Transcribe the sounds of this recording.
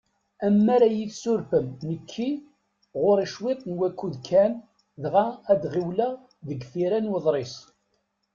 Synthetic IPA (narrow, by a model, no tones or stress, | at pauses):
æmːæɾæjiθsʊɾfəmnəkʰːi | ʁʊɾiʃwɪt̪ˤnwækʷːuðkʰːæn | ðʁæːd̪ʁiwlæ | ðəɡfiɾænwəðˤɾˤesˤ